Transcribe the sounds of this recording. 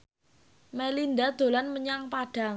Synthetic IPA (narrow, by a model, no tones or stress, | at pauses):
melind̪ad̪̥o̤lanməɲaŋpaɖ̥a̤